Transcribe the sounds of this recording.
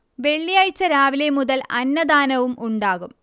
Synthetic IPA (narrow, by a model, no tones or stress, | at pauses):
ʋe̞ɭːijaːjt͡ɕːɐɾaːʋile̞muðɐlɐnːɐd̪aːnɐʋumʔuɳɖaːɣum